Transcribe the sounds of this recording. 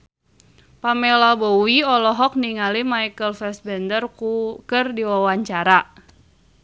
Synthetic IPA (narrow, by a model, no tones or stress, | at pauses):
pamɛlabowiɔlɔɦɔk̚niŋalimaikəlfɛsbɛndərkukɨrdiwawaɲt͡ʃaɾa